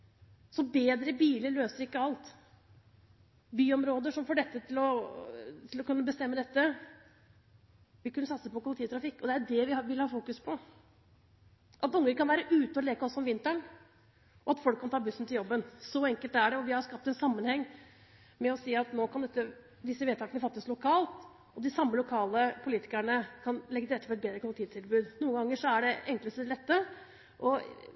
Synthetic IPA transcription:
sɔbeːd̪ɾəbiːləɾɭøːsəɾɪkːəɑlt̪ | byːɔmɾoːd̪əʂɔmfoːɖɛt̪ːət̪ʰɪlɔ | t̪ʰɪlɔkʉnːəbəst̪ɛmːəd̪ɛt̪ːə | ʋɪkʉnːəsɑt̪səpɔkʰʊlɪt̪iːt̪ʰɾɑfɪkːɔd̪ɛæɖɛʋɪʋɪlhɑːfuːkʉspʰɔ | ʔɑt̪ʊŋːəɾkɑnʋæːɾəʔʉːt̪əɔleːkəɔsːɔɔmʋɪnt̪əɳ | ʔɔɑt̪fɔlkːɑnt̪ɑːbʉsːn̩t̪ʰɪljɔbːənsɔɛŋkəlt̪æɖɛɔʋɪhɑɾskɑp̚t̪ɛnsɑmːənhɛŋː | mɛɔsiːɑt̪noːkʰɑnd̪ɛt̪ːə | d̪ɪsːəʋeːt̪ɑːkənəfɑt̪ːəslʊkʰɑːlt̪ | ɔd̪ɪsɑmːəlʊkʰɑːləpʰʊliːt̪ɪ̥kæɳəkʰɑnlɛɡːəɪɾɛt̪ːəpɔɾɛt̪̚beːd̪ɾəkʰʊlɪk̚t̪ʰiːt̪ʰɪlbʉːd̪nuːəŋɡɑŋːəʂɔæɖɛɛŋkləst̪əd̪lɛt̪ːə | ʔɔ

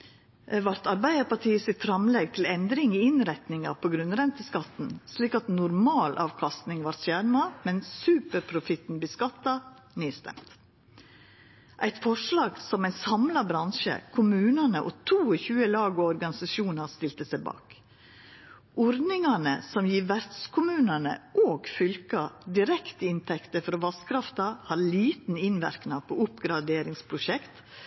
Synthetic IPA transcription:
ʋɑɾt̪ɑɾbæɪəɾpɑʈʰiːəsɪt̪fɾɑmlɛɡ̚t̪ʰɪlɛnd̪ɾɪŋiɪnɾɛt̪nɪŋɑ̰pʰoɡɾʉnɾɛnt̪əskɑt̪n̩sliːkɑt̪nʊɾmɑːlʔɑ̰ːʋkʰɑst̪nɪŋʋɑɾsjæɾnɑmɛnsʉːpəɾpʰɾʊfɪt̪n̩bəskɑt̪ːɑ | nyːst̪ɛ̰mt̪ | ʔæɪt̪fɔʂlɑːɡsɔmæɪnsɑmlɑbɾɑnʃə̰kʰʊmʉːnənəʔot̪ʰuːɔçʉːəlɑːɡoɔɾɡɑnɪsɑʃuːnɑɾst̪ɪlt̪əsæɪbɑ̰ːk | ʔɔɾd̪nɪŋɑnəsɔmjiːʋæɾd̪skʰʊmʉːnənə̰ʔoːɡfʏlkɑd̪ɪɾɛkt̪əɪnt̪ʰɛkt̪əfɔɾɔʋɑskʰɾɑft̪ɑhɑɾliːt̪n̩ɪnʋæ̰ɾknɑpʰoːʊpɡɾɑd̪eːɾɪŋspʰɾʊʃɛkt̪

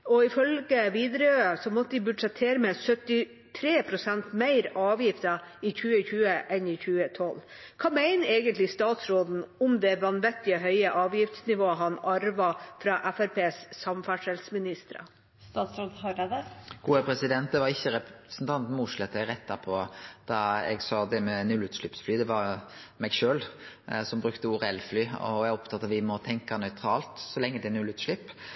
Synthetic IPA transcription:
ɔɪfœlɡəʋiːd̪ɾəøːsɔmɔt̪ːəd̪ɪbʉɖʂɛt̪ʰːeːɾəmɛsœt̪ɪ | t̪ʰɾeːpʰɾʊsænt̪mæɪɾɑːʋjɪft̪ə | ɪçʉːəçʉːəʔɛnɪçʉːət̪ʰɔl | kʰɑːmæɪnəeːɡənt̪lɪst̪ɑːt̪sɾoːd̪n̩ɔmd̪ɛʋɑnʋɛt̪ːɪəɦœʏəʔɑːʋjɪft̪snɪʋoːəɦɑnɑɾʋɑfɾɑʔæfæɾpʰeːssɑmfæʂɛlsmɪnɪst̪əɾɑ̰ | st̪ɑːt̪sɾoːd̪hɑɾed̪əɡ̥uːəpʰɾɛsɪd̪ɛnt̪̚d̪ɛʋɑɾɪçːəɾɛpsnt̪ʰɑnt̪n̩muːʃlɛt̪ːɛɾɛt̪ːɑpʰɔd̪̥ɑɛ̰ɡsɑd̪ɛmɛnːʉlʉːt̪ʃlɪpsflyːd̪ɛʋɑɾmɛɡʃøːl | sɔmbɾʉkt̪əʊɾɛlflyːɔ̰ɛɡɔpt̪ʰɑt̪ːɑʋɪmɔt̪ʰɛŋkɑnœʏt̪ʰɾɑːlt̪sɔlɛŋːəd̪ɛnʉlʉːt̪ʂlɪpː

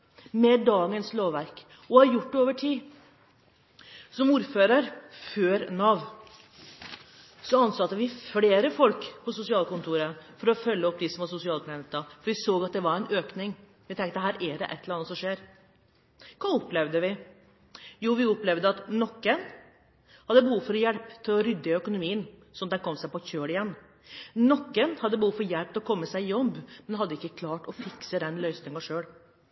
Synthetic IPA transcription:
mɛd̪ɑːɡənsloːʋʋæɾk | ɔhɑɾjʊʈːɛoːʋəʈʰiː | sɔmuːɾføːɾəɾføːɾnɑʋ | sɔɑnsɑt̪ːəʋɪfleːɾəfɔlkpʰɔsʊsɪɑːlkʊnt̪ʰuːɾəfɔɾɔfœlːəɔpːd̪isɔmʋɑsʊsɪɑːlp̪ʰɛnt̪ːɑfɔɾʋɪsoːɡɑt̪̚d̪ɛʋɑɾæɪnʔøːknɪŋ | ʋɪt̪ʰɛŋt̪əɦæːɾʔɛɖɛ̰ʔɛt̪ʰːləɾɑnəsɔmʂeːɾ | kʰɑːɔpːlɛʋd̪əʋɪ | juːʋɪɔplɛʋd̪əɑt̪nɔkːən | hɑd̪ːəbəhuːfɔɾjɛlpt̪ʰɪlɔɾʏd̪ːəœkʊnʊmiːənsɔɔd̪ɛnkʰɔmːsæɪpɔçøːɽɪjɛnː | nɔkːənhɑd̪ːəbəhuːfɔɾjɛlp̚t̪ʰɪlɔkʰɔmːəsæɪjɔbːmɛnɦɑd̪ːəɪkːəkʰlɑːʈɔfɪksəd̪ɛnlœʏsnɪŋɑʂøːɽ

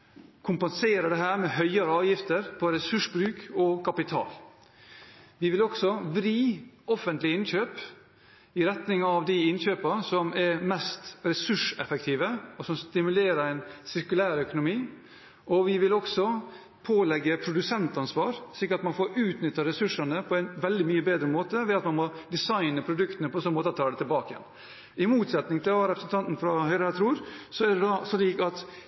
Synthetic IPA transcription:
kʰʊmpɛnseːɾəɖɛɦæːɾmɛhœʏɑɾəɑːʋjɪft̪əɾpʰɔɾɛsʉʂbɾʉːkɔkʰɑpɪt̪ʰɑ̰ːl | ʋɪʋɪlɔɡsɔʋɾiːɔfːənt̪lɪɪnɕøːp | ɪɾɛt̪nɪŋɑʋd̪ɪɪnɕøːpɑsɔmɛɾmɛst̪ɾɛsʉʂɛfɛkt̪ʰiːʋəɔsɔmst̪ɪmʉleːɾəɾæɪnsɪɾkʉlæːɾœkʊnʊmiː | ʔɔʋɪʋɪlɔksɔ | pʰoːlɛɡːəpʰɾʊd̪ʉsɛnt̪ɑnsʋɑːɾʂɭiːkəɾɑt̪mɑnfoːɾʉːt̪nʏt̪ːəɾɛsʉʂənəpʰɔæɪnʋɛld̪ɪmyːəbeːd̪ɾəmoːt̪əʋɪɑt̪mɑnmɔd̪ɪsɑɪnəpʰɾʊd̪ʉkt̪ənəpʰɔɛnsɔnːəmoːt̪əɑt̪ʰɑːd̪ɛt̪ʰɪlbɑːkəjɛ̰n | ɪmuːt̪sɛt̪nɪŋt̪ʰɪlɑɾɛpɾəsn̩t̪ɑnt̪n̩fɾɑhœʏɾəɑt̪ɾuːɾsɔæd̪ɛd̪ɑsɔliːkɑt̪

